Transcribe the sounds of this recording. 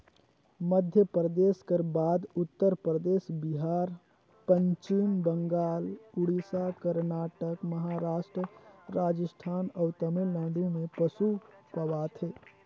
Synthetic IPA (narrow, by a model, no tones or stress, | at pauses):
məd̪ʱjəpɾəd̪eːskəɾbaːd̪ʊt̪ːəɾpɾəd̪eːʃbɪɦaːɾ | pə̃ɲt͡ʃɪmbə̃ŋɡaːlʊɽisakəɾnaːʈəkməɦaːɾaːʃʈɾəɾaːd͡ʒəsʈʰaːnɔːʊt̪əmɪlːãːɳɖũmẽpəsupɐwaːt̪ʰɦeː